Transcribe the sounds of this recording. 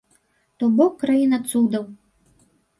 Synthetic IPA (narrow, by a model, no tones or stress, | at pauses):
t̪ɔbɔkːɾajinɐt̪sud̪ɐw